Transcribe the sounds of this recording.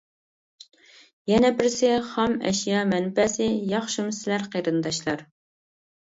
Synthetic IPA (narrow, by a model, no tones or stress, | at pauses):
jɛnɛbɪɾsɪχɑmɛ̰ʃjɑmɛnpɛsɪjɑχʃɪmsɪlæɾqəɾɨnd̪ɑʃlˠɑɾ